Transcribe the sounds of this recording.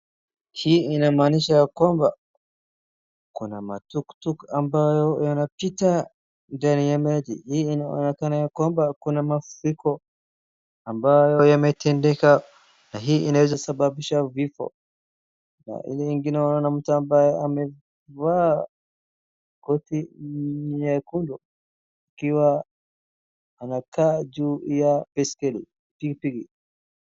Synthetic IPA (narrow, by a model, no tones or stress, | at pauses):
hiːinamaːniʃajakwamba | kunama̰tuktukambajɔjanapita | ndanijamɛlḭhiːnaɔ̰nɛkanajakwambakunamafuɾikɔ | ambajɔjamɛtʰɛndɛka | naɦiːʔinawɛzasabaɓiʃavifɔ̰ | na̰ʔḭlɛiŋɡinaɔnam̩tuambajɛamɛ | vaː | kɔti | jakundɔ | akiwa | nakʰaːd͡ʒuːjapɛskɛlḭ | pikipiɾi